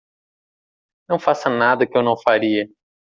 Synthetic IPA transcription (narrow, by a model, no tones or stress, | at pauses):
nɐ̃w̃fasɐnad̪ɐkɪewnɐ̃w̃faɾiɐ